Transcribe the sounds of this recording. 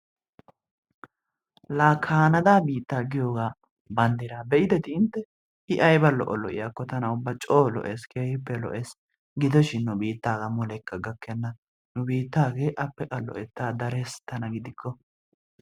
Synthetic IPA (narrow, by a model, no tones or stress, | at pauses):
laːkʰːaːnɐd̪aːbiːt̪ːaːɡɪjoːɡaː | bɐnd̪ɪɾaːbɛʔɪd̪ɛt̪ɪɪnt̪ːɛ | ɪʔɐjbɐlɔ̰ʔɔlɔ̰ʔɪ̰jakːɔt̪ɐnɐʊbːɐt͡ʃʼoːlɔ̰ʔeːskʰeːhɪpːɛlɔ̰ʔeːs | ɡɪd̪ɔʃɪnːʊbiːt̪ːaːɡɐmʊlɛkːɐɡɐkːɛnːɐ | nʊbiːt̪ːaːɡe̞ːʔɐpːɛkʼɐlːɔ̰ʔɛt̪ːaːd̪ɐɾɛst̪ɐnɐɡɪd̪ɪkʰːɔ